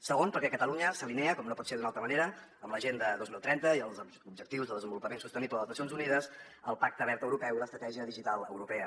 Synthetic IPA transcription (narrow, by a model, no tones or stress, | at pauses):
səɣ̞onpəɾkɛkət̪əluɲəsəlinɛəkɔmnopɔt̪seðunalˠt̪ɾəməneɾəːmləʒend̪əðozmilˠt̪ɾɛnt̪əiəlˠzə | ubʒək̚t̪iwzðəlˠðəzəmbulupəmensust̪ənipləðəznəsionzuniðəs | əlˠpak̚t̪əβɛɾt̪əwɾupɛwiləst̪ɾət̪ɛʒiəðiʒit̪alˠə̰wɾupɛə